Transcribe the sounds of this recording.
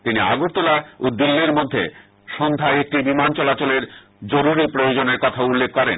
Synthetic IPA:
t̪inia̰ɡoɾt̪olaod̪ilːiɾmod̪ʱːḛ | ʃɔnd̪ʱaeek̚ʈibimant͡ɕɔlat͡ɕoleɾ | d͡ʑoɾuɾipɾojod͡ʑoneɾkɔt̪ʰaulːek̚ʰkɔɾḛn

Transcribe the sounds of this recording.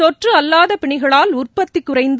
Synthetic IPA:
ɔʈrɯɐlːaːðɐpɪɳɪɣɐɭaːlʊrpɐt̪ːɪkːʊrɐɪnd̪

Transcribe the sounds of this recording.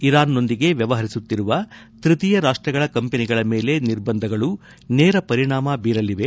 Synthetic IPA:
iɾaːnːo̞nd̪iɡe̞ʋjɐʋɐɦɐɾisut̪ːiɾuʋɐ | t̪ɾit̪ijɐɾaːʂʈɾɐɡɐɭɐkɐmpeniɡɐɭɐmeːle̞niɾbɐnd̪ʱɐɡɐɭu | nɛːɾɐpɐɾiɳaːmɐbiːɾɐliʋe̞

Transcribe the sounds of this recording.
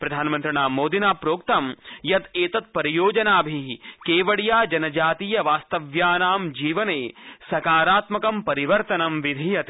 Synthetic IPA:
pɾɐd̪ʱaːnmɐnt̪ɾɐɳaːmoːd̪inaːpɾoːkt̪ɐmjɐt̪eːt̪ɐt̪̚pɐɾijoːd͡ʒɐnaːbʱikeːʋɐɽijaːd͡ʒɐnɐd͡ʒaːt̪iːjɐʋaːst̪ɐʋjaːnaːmd͡ʒiːʋɐneːsɐkaːɾaːt̪mɐkɐmpɐɾiʋɐɾt̪ɐnɐmʋid̪ʱijɐt̪

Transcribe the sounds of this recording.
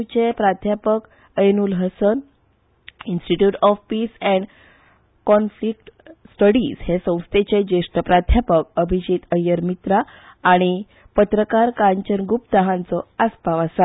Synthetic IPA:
t͡ɕepɾad̪ʱjapək | əjnuːlɦəsən | insʈiʈjuːʈɔfpiːsɛ̃ɳɖ | kɔnflik̚ʈsʈəɽiːz̥hesə̃w̃st̪ʰet͡ɕed͡ʑeʂʈ̪əpɾad̪ʱjapəkəbʱid͡ʑiːt̪əjːəɾmit̪ɾaː | ɽ̃i | pət̪ɾəkaɾkaɲt͡ɕənɡupt̪əɦãnt͡sɔaspaʋasa

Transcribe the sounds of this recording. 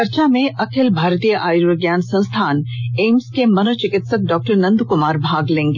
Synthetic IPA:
ɐɾt͡ʃamẽʔɐkʰɪlbʱaːɾt̪ijəʔaːjɾɾoɡjaːnsɐ̃nst̪ʰaːneːmskemɐnot͡ʃɪkɪt̪sək̚ɖɔːk̚ʈəɾnɐ̃nd̪ukʊmaːɾbʱaːɡlẽːŋɡeː

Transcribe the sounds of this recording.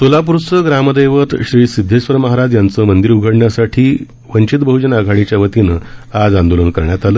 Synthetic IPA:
solap̬uɾsəɡɾaməd̪ejʋət̪ɕɾiːsid̪ʱːeɕʋəɾməɦaɾad͡zjant͡səːmənd̪iɾuɡʱəɽɳjasaʈʰiː | ʋənt͡ɕit̪bəɦud͡ʑənaɡʱaɽit͡ɕjaʋət̪inəad͡zand̪olənkəɾɳjat̪aləː

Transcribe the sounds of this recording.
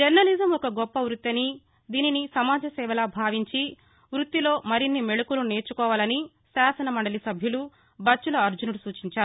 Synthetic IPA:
d͡ʒeɾnɐlizɐmɔkɐɡɔpːɐʋɾut̪ːɐni | d̪iːninisɐmaːd͡ʒɐsɛːʋɐlaːbʱaːʋiɲt͡ʃi | ʋɾut̪ːilo̞ːmɐɾinːimeɭukulune̞ːɾt͡ʃukɔːʋaːlɐni | saːsɐnɐmɐɳɖɐlisɐbʱjulu | bɐt͡ʃːulɐɐɾd͡ʒunuɽusuːt͡ʃiɲt͡ʃaːɾuu

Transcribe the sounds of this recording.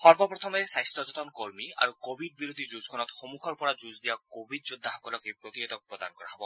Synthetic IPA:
xɔɹbɔpɹɔt̪ʰɔmɛsajstɔzɔt̪ɔnkoɹmia̰ɹukobʱid̚biɹod̪ʱizuzkʰɔnɔt̪xomukʰɔɹpɔɹazuzd̪ijakobʱid̚zud̪ʱːaxɔ̥kɔlɔkejpɹot̪iɦɔt̪ɔk̚pɹɔd̪a̰nkɔɹa̰ɦɔbɔ

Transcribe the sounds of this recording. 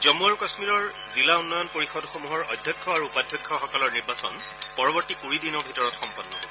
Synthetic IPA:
zɔmuaɹukɔsmiɹɔɹ | zilaunːɔjɔnpoɹixɔdxomuɦɔɹɔ̰jdʱjɔkʰːɔaɹuːpadʱjɔkʰːɔxɔkɔlɔɹniɹbasɔn | pɔɹɔbɔɹtikuɹidinɔɹbʱitɔɹɔtxɔmpɔnːɔ̰

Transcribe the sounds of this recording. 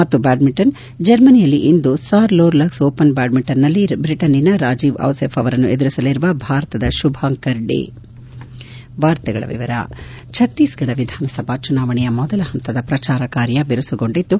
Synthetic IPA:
mɐt̪ːubaːɖmiʈːɐn | d͡ʒɐɾmɐnijɐlːiʔind̪usaːɾloːɾlɐksoːpɐnbaːɖmiʈːɐnːɐlːibɾiʈɐninɐɾaːd͡ʒiːʋɐ̰ʋsepʰɐʋɐɾɐnːuʔed̪uɾisɐliɾuʋɐbʱaːɾɐt̪ɐd̪ɐʃubʱaːŋkɐɾɖḛ | ʋaːɾt̪ɛɡɐ̰ɭɐ̰ʋḭʋɐɾɐ̰ | t͡ʃʰɐt̪ːiːsɡɐɽɐʋid̪ʱaːnɐsɐbʱat͡ʃunaːʋɐɳɛjɐmɔd̪ɐlɐɦɐnt̪ɐd̪ɐpɾɐt͡ʃaːɾɐkaːɾjɐbeɾusuɡo̞ɳɖit̪ːu

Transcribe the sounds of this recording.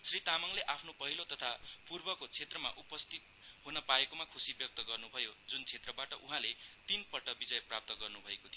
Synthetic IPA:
srit̪amʌŋleʔapʰnopʌɦilot̪ʌt̪ʰapurbʌkot͡sʰet̪rʌma̰ʔupʌst̪ʰit̪̚ɦunʌpaekomakʰusibjʌk̚t̪ʌɡʌrnubʱʌjod͡zunt͡sʰet̪rʌbaʈʌʔuɦãlet̪inpʌʈːʌbid͡zʌjprap̚t̪ʌɡʌrnubʱʌekot̪ʰijo

